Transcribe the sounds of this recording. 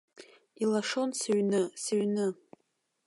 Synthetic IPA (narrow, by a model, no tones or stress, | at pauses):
ilaʂo̞nsɨɥnɨsɨɥnɨ